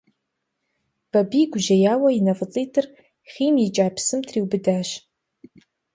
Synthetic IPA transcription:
b̥ɐbiɡʷʊʒɐjaːwɐinɐfɨt͡sʼijtʰɨr | χʲiːmjit͡ʃʼaːpʰsɨmtʰriːwbɨdaːʃ

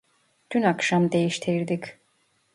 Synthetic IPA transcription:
t̪ʰynakʃamd̪e̞jiʃt̪ʰiɾd̪ic

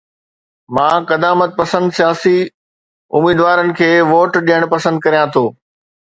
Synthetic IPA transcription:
mãːkɐd̪aːmət̪̚pɐsə̃nd̪sijaːsi | ʊ̰miːd̪ʋaːɾənɪ̆kʰeːʋoːʈɗijəɽ̃pɐsə̃nd̪̚kɐɾijãt̪ʰoː

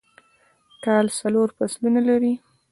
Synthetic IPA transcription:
kɑlsaloɾpaslunalaɾi

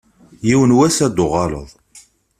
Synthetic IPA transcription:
jiwənwæsæd̪oʁɑlə̰ðˤ

